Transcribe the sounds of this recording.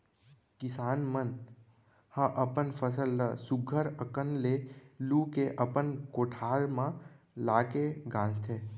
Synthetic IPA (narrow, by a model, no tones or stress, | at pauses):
kɪsaːnmən | hə̃ʔəpənfʰəsəlːəsʊɡʱəɾəkənleluːkeʔəpənkoːʈʰaːɾmã | laːkeɡãːd͡ʒt̪ʰeː